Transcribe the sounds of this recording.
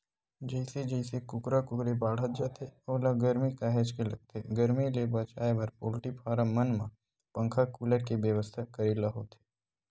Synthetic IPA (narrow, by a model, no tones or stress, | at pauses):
d͡ʒɐɪsed͡ʒɛɪsekʊkɾakʊkɾebaːɽ̤ət̪̚d͡ʒaːt̪ʰeoːlaɡəɾmikaːɦed͡ʒkelɐɡ̚t̪eɡəɾmilebɐt͡ʃaːebəɾpoːlʈipʰaːɾəmənmã | pə̃ŋkʰakuːləɾkebjəʋəst̪ʰakəɾilaɦot̪ʰe̥ː